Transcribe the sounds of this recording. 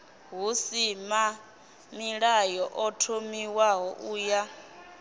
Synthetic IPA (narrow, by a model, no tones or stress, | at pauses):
ɦusima | miɺajɔʔɔtʰomiwaɦɔʔuːja